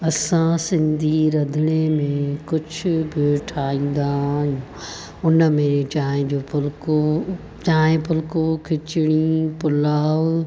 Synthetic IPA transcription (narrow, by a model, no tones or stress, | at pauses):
ɐsãsɪ̃nd̪ʱiɾɐd̪ʱɽ̃emẽkʊt͡ʃʰbeʈʰaːĩːn̆d̪aːɪjũ | ʊnmẽt͡ʃaːɦẽd͡ʑoːpʰʊlko | t͡ʃaːɦẽpʰʊlkokʰɪt͡ʃɪɽ̃ipʊlaːʋ